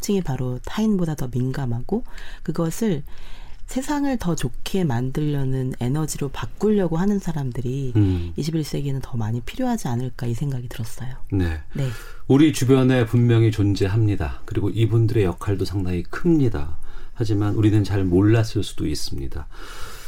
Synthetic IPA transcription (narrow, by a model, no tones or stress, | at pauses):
t͡ɕ͈iŋipaɾotʰainbodatʌminɡamɦaɡ̥okɯɡʌsʰɯɭsʰe̞sʰaŋɯɭtʌt͡ɕokʰe̞mandɯʎːʌnɯne̞nʌd͡ʑiɾopak̚k͈uʎːʌɡoɦanɯnsʰaɾamdɯɾiːɕʰibiɭs͈e̞ɡenɯntʌmaɲipʰiɾjoɦad͡ʑianɯɭk͈aisʰe̞ŋɡaɡitɯɾʌs͈ʌjone̞ne̞ | uɾit͡ɕubjʌne̞pumːjʌŋit͡ɕond͡ʑeɦamɲidakɯɾiɡoʔibundɯɾe̞jʌkʰaɭdosʰaŋdaŋikʰɯmmɲida̰had͡ʑimanuɾinɯnt͡ɕaɭmoɭːas͈ʰɯɭs͈ud̥ois͈ɯmɲḭda